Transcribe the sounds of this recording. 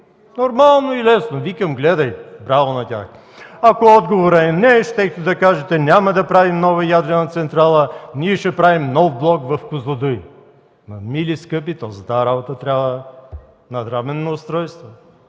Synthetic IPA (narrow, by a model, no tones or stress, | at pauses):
noɾmalˠnoilɛsnovikɐmɡlɛd̪ɐjbɾavˠonɐt̪ʲa̰x | ɐkoɔd̪ɡovoɾɐɛnɛʃt̪ɛkt̪od̪ɐkaʒɛt̪ɛnʲamɐd̪ɐpɾavimnɔvɐjad̪ɾɛnɐt̪sɛnt̪ɾalˠənʲiɛʃɛpɾavimnɔfblˠɔkvɐfkʊzˠɐd̪uj | nɐmiliskɤp̬it̪ɔzət̪aɾabot̪ət̪ɾʲabvə | nɐd̪ɾamɛnːoʊst̪ɾɔjst̪vo